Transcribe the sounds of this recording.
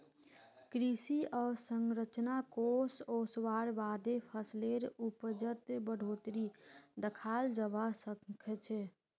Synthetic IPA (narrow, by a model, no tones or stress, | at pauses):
kɾisiʔɔːɾsəŋɾət͡ʃnakoːsoːswaːɾbaːd̪epʰəsleɾupəd͡ʒət̪bəɽ̤ʱoːt̪ɾid̪əkʰaːld͡ʒəbasəkʰət͡ʃʰ